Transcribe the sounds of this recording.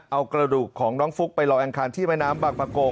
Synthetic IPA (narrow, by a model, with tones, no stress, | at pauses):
ʔa˧wkɾa˧duː˨˩kʰːɔː˩˦ŋnɔː˦˥ŋfu˦˥k̚pa˧jlɔː˧ʔaː˧ŋkʰaː˧nt̪ʰiː˥˩mɛ˥˩jnaː˦˥mbaː˨˩k̚pʰaː˧koː˧